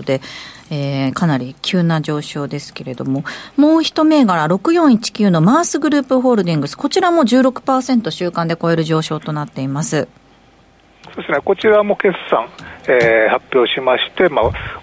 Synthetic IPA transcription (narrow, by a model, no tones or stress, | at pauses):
d̪e̞eːkanaɾʲikʲʰɨːnaʑo̞ːɕo̞ːd̪e̞sɨ̥ke̞ɾe̞d̪o̞̰mo̞mo̞ːçi̥t̪o̞me̞ːɡaɾaɾo̞kɯ̟jõ̞ɰ̃it͡ɕi̥kʲɨːno̞maːsɨɡɯ̟ɾɯ̟ːpɯ̟ɦo̞ːɾɯ̟d̪ʲĩŋɡɯ̟sɨ̥ko̞t͡ɕiɾamo̞ʑɨːɾo̞kɯ̟̥paːsẽ̞nt̪o̞ɕɨːkãnd̪e̞ko̞e̞ɾɯ̟ʑo̞ːɕo̞ːt̪o̞nat̪ːe̞imasɨ | soːd̪esɨneko̞t͡ɕiɾamo̞ke̞ssãŋehapʲːjo̞ːɕimaɕi̥t̪e̞ma